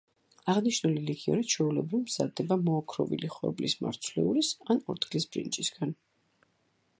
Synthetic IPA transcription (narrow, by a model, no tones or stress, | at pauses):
aʁniʃnulilikʰiɔ̰ɾit͡ʃʰɛulɛbɾivmz̥ad̪ɛbamɔːkʰɾɔ̰vḭliχwɔ̰blisma̰ɾt̪sʰlɛ̰uɾisanɔɾt̪ɡlisb̥ɾḭnt͡ʃʼisɡ̥an